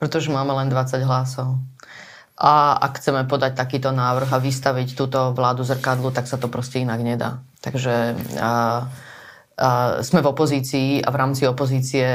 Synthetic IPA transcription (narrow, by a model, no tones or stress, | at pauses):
pɾɛt̪ɔʒɛmaːmɛlɛnd̪ʋat͡saɟɦlasɔʊ | ʔaa̰kxt͡sɛmɛpɔd̪ac̚t̪akiːt̪ɔnaːʋr̩ɣaʋist̪aʋict̪uːt̪ɔʋlaːd̪uzr̩kad̪lut̪aksat̪ɔpɾɔscɛinaɡɲɛd̪a̰ːt̪aɡʒɛ | z̥mɛvɔpɔziːt͡siːa̰vɾaːmt͡siɔpɔziːt͡siɛ